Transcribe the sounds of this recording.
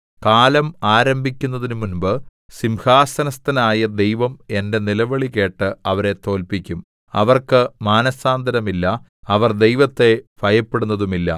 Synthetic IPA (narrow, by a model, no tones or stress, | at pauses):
kaːlɐmaːɾɐmbʱikʲːun̪ːɐðinɨmunbɨ | simhaːsɐnɐst̪ɐnaːjɐd̪e̞jʋɐme̞nde̞nilɐʋɐɭike̞ːʈːɨɐʋɐɾe̞t̪o̞ːlpikʲːum | ɐʋɐrkɨmaːnɐsaːnd̪ʱɐɾɐmilːɐ | ɐʋɐrd̪e̞jʋɐt̪ːe̞fɐjɐpːeɽunːɐðumilːɐ̰